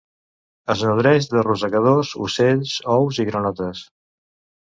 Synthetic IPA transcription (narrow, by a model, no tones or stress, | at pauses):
əznuðɾɛʒðəruzəkəð̞ozṵseʎsɔwziɣɾənɔt̪əs